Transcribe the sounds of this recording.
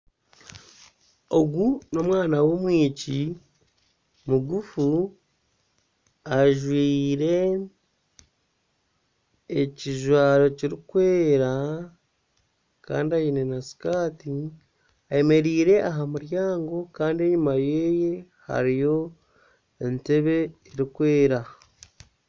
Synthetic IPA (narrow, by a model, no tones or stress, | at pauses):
o̞ɡuno̞mwaːnawo̞mwiːci | muɡufu | aʒwiːɾe̞ | ciʒwaːɾo̞ciɾikweːɾa | ka̰ːndiajinenasi̥kaːti | aje̞me̞ɾiːɾe̞ʔaɦamuɾjaːŋɡo̞kaːndie̞ɲumajeːje̞ | ha̰ɾijo̞ | ente̞βe̞ːɾikwe̞ːɾa